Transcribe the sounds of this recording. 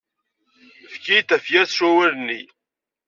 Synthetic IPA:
fkijt̪æfjæθʃæwælənːi

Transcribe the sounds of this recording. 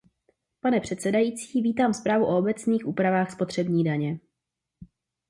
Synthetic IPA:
panɛpr̝̥ɛt̪sɛdajit͡siːviːt̪aːmspɾaːvuʔo̞obɛt͡sniːxʔuːpɾavaːxspo̞t̪r̝̥ɛbɲiːdaɲɛ

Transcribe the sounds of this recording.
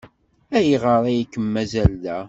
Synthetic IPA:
æjiʁəɾˤæjikːəmːæzæld̪æ

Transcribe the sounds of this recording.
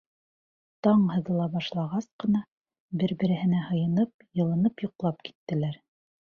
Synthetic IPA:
t̪ɑɴhɤ̆ðɤ̆lˠɑbɑʃlˠɑʁɑsqɤ̆nɑ | bɘɾbɘ̆ɾɘ̆hɘ̆næhɤ̆jɤ̆nɤp̚jɤ̆lˠɤ̆nɤpjŏqlˠɑp̚ki̥t̪ːɘ̆læɾ

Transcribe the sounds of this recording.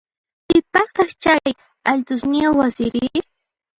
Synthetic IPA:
pɪpɑχt̪ɑχt͡ʃaj | aʎt̪ʊsnɪwasɪɾɪ

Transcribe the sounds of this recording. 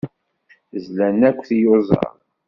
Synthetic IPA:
zlænækʷːθjozˤɑ̰ɾˤ

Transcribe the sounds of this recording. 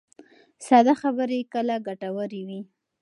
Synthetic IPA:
sɑd̪axabəɾekəlaɡaʈawəɾewi

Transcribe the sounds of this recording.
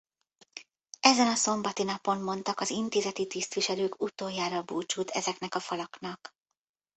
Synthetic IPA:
ɛzɛnɒso̞mbɒt̪inɒpo̞mːo̞nt̪ɒkɒzint̪eːzɛt̪it̪ist̪ʋiʃɛløːkut̪oːjːaːɾɒbuːt͡ʃut̪ʰɛzɛknɛkɒfɒlɒknɒk

